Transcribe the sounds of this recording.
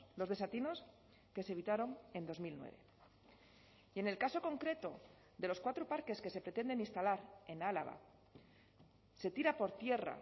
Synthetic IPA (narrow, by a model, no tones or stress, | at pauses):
lo̞zðes̬at̪ino̞s | ke̞seβit̪aɾo̞ŋe̞nd̪o̞zmilnwḛβe̞̰ | ie̞ne̞lkaso̞ko̞ŋkɾe̞t̪o̞ | ðe̞lo̞skwat̪ɾopaɾke̞ske̞se̞pɾe̞t̪e̞nd̪e̞ninst̪alaɾe̞nala̰ɣ̞a̰ | se̞t̪iɾapo̞ɾt̪je̞ra̰